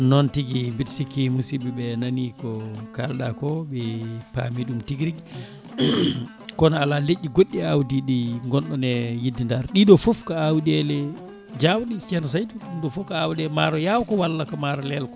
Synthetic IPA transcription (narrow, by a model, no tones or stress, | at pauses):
nɔntiɡimbitsikimusibiɓɛnanikɔkalɗa̰kɔbɛpa̰miɗumtiɡɾiɡ | kɔnaalaleʔːiɡoɗːiawdiɗiŋɡɔnɗɔnɛjidːindaɾɗiɗɔfofkaawdɛlɛ | d͡ʒawɗist͡ʃɛnsajtuɗumɗɔfɔfkaawdɛmaɾɔjawkɔwalːakɔmaɾɔlɛlkɔ